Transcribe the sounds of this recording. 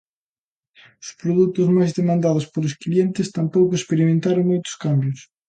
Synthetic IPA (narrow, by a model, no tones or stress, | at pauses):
ʊspɾoðut̪ʊzmajzðemãnd̪aðʊspolʊsklient̪ɪst̪ampowkʊespeɾimẽnt̪aɾoŋmojt̪ʊ̥skambjʊs